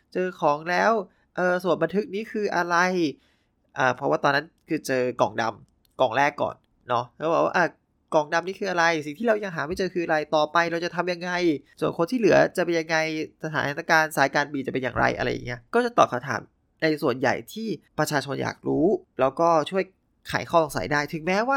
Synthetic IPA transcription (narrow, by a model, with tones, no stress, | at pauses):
t͡ɕɤː˧kʰɔː˩˦ŋlɛː˦˥w | ʔɤː˨˩su˨˩ənba˧nt̪ʰɯ˦˥k̚niː˦˥kʰɯː˧ʔa˧ɾa˧j | ʔaː˨˩pʰɾɔ˦˥waː˥˩t̪ɔː˧nːa˦˥nkʰɯː˧t͡ɕɤː˧kɔ̰ː˨˩ŋda˧m | kɔː˨˩ŋɾɛː˥˩kːɔ̰ː˨˩nː | ɔ˦˥kʰa˧˦˥bɛː˨˩kwa̰ː˥˧ʔa˧˩ | kɔː˨˩ŋda˧mniː˦˥kʰɯː˧ʔa˧ɾa˧jsi˨˩ŋt̪ʰiː˥ɾa˧wja˧ŋɦaː˨˩˦ma˥˩jt͡ɕɤː˧kʰɯː˧ʔa˧ɾa˧jt̪ɔː˨˩pa˧jɾa˧wt͡ɕa˨˩t̪ʰa˧mja˧ŋːa˧jsu˨˩ənkʰo˧nt̪ʰiː˥˩lɯ˩˦ɐt͡ɕa˨˩ʔpe˧nja˧ŋːa˧jsa˧t̪ʰaː˨˦n˦t̪aː˧˩kaː˧nsaː˨˦jkaː˧nbiː˧t͡ɕa˨˩pe˧njaː˨˩ŋɾa̰˧jʔa̰˧ɾa̰˧jːa̰˨˩ŋːi˦˥ɐkɔː˥˩t͡ɕa˨˩t̪ɔː˨˩t̚ʰa˧wt̪ʰa̰ː˩˦m | na˧jsu˨˩ənja̰˨˩jt̪ʰiː˥˩pɾa˧t͡ɕʰaː˧t͡ɕʰo˧nja̰ː˨˩k̚ɾuː˦˥lɛː˦˥wkɔː˥˩t͡ɕʰu˥˩əj | kʰa̰ː˩˦jkʰɔː˥˩ʔɔ˨˩ŋsa̰˩˦jdaː˥˩jt̪ʰɯ˨˦ŋmɛː˦˥waː˥˩